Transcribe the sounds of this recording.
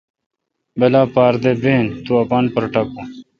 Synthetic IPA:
belaːpaːɾd̪ebeːnt̪uɐpanpɐɾʈɐku

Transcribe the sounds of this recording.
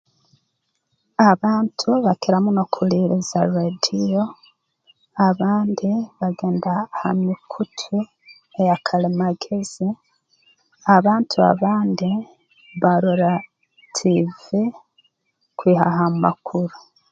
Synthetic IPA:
aβaːntʰuβakiɾamunokʰuliɾizaɾedijo | aβaːndiβaɡe̞ːndaha̰mikʰutʰu | ejakʰalimaɡez̥i | aβaːntʰua̰βaːndi | βaɾoɾa | tʰivi | kwiːɦa̰ɦama̰kʰuɾu

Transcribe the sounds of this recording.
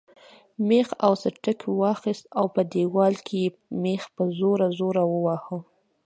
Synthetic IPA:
mexawsəʈəkwɑxist̪awpəd̪ewɑlkʰeje | mexpəzoɾazoɾawəwɑhə

